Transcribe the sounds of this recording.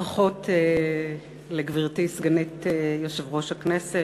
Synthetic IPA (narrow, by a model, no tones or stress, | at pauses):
χote | leɡviʁtisɡanitejoʃevʁo̞ʃaknese